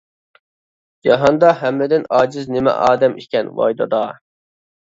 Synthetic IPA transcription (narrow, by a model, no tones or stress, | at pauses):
d͡ʒɑɦɑnd̪ɑɦɛmːɪd̪ɪnɑːd͡ʒɪznɪmɛ̰ʔɑːd̪ɛmʔikʲɛnwɑ̰jd̪ɑd̪ɑ